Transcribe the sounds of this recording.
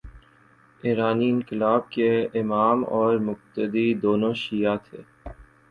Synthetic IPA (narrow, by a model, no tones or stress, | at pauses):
eːɾaːniɪnkɪlaːb̚keɪmaːmɔːɾmʊq̚t̪əd̪id̪oːnõʃijat̪ʰeː